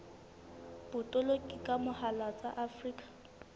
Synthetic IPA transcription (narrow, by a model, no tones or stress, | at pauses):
b̥ʊtʼɔlokʼikʼamʊhalat͡sʼaʔafriːkʼḁ